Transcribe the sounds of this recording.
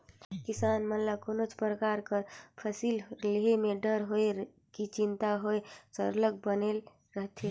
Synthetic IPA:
kisanmənlakonot͡ʃʰpɾəkaɾkəɾpʰəsilleɦemeɖəɾɦoe | kit͡ʃint̪aɦoesə̰ɾlək̚bənel | ɾəɦt̪ʰe

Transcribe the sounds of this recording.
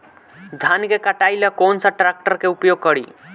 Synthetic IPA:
d̪ʱankekəʈailəkoːnsaʈɾak̚ʈəɾkeʊpjoɡ̚kəɽḭ

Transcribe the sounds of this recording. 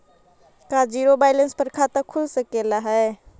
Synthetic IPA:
kad͡ʒiɾobaɪlənspəɾkʰat̪əkʰulsəkelaɦɛe

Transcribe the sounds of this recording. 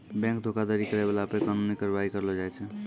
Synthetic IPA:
bɛ̃ŋk̚d̪ʱokad̪aɾikəɾɛbalapəɾkanonikəɾbaikəɾəlɔd͡ʒajt͡ʃʰɛ

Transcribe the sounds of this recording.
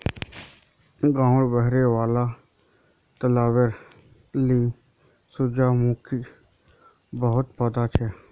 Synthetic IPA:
ɡãːʊɽbəɦɾeːʋaːlaː | t̪əlaːwəɾ | liː | sʊd͡ʒaːmuːkʰi | bəɦʊt̪pət̪aːt͡ʃʰɛː

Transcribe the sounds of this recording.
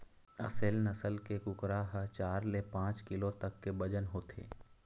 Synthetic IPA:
ɐ̰selnɐsəlkekʊkɾaɦət͡ʃaːɾlepãːt͡ʃkɪlot̪ɐkːebɐd͡ʒənɦoːt̪ʰḛː

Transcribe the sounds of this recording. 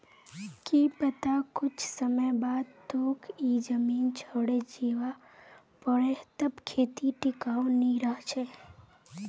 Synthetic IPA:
kipət̪akʊt͡ʃsəməjbad̪̚t̪okʰid͡ʒəmint͡ʃʰəɽed͡ʒeʋa | pəɽet̪əbkʰet̪iʈɪkaʋniɾəɦt͡ʃʰe

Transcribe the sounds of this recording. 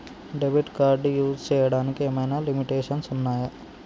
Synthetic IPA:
ɖeʋiʈkaːɾɖjuːst͡ʃɛːjɐɽaːnikieːmɐjnaːlimiʈeːʂɐnsunːaːjɐ

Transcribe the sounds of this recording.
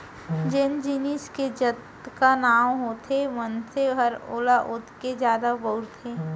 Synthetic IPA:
d͡ʒend͡ʒɪnɪʃked͡ʒət̪ | kanaːwɦot̪ʰeʋənseɦəɾo̰ːlaʔʊt̪ked͡ʒjaːd̪abəʊɾt̪ʰeː

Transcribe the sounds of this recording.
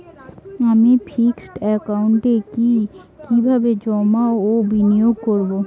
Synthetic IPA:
amifʰiksʈɛkauɳʈeki | kibʱabed͡ʑɔmaobinijoɡ̚koɾbo

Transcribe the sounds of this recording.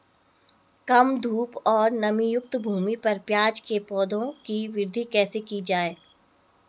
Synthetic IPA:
kɐmd̪ʱuːpɔːɾnɐmijʊk̚t̪bʱuːmipɐɾpjaːd͡ʒkepɔːd̪õkiʋɪɾd̪ʱikɛːsekid͡ʒaːeː

